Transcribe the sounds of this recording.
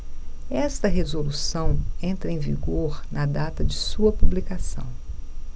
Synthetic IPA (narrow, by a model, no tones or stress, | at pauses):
ɛst̪ɐɦezolusɐ̃w̃ẽnt̪ɾɐẽvḭɡoɾnɐd̪at̪ɐd͡ʒɪsuɐpublikasɐ̰̃w̃